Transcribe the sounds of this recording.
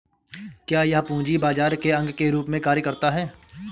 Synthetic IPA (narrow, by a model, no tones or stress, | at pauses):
kjaːjɐɦpũːd͡ʒibaːd͡ʒaːɾkeɐ̃ŋɡkeɾuːpmẽkaːɾjəkɐɾt̪aɦɛː